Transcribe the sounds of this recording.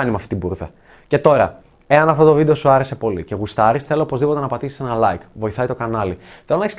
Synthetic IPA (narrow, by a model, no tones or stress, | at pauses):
ɐnimɐft̪i̥t̪ibuɾðe | ce̞t̪o̞ɾɐ | e̞ɐnɐft̪o̞t̪o̞vid̪e̞o̞suɐɾe̞se̞po̞lice̞ɣust̪ɐɾisθe̞lo̞opo̞zðipo̞t̪e̞nɐpɐt̪isi̥se̞nɐlɐikvo̞iθɐit̪o̞kɐnɐliθelo̞nɐeçs